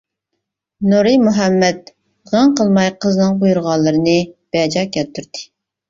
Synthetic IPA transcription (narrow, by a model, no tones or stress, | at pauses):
noɾɨmuɦɛmːɛt̪̚ | ʁɑŋqəlˠmɑjqʰəznɨŋqojuɾʁɑlˠːɨɾɨnɨb̥ɛd͡ʒɑkʲʰɛt̪ʰːyɾd̪ɪ̥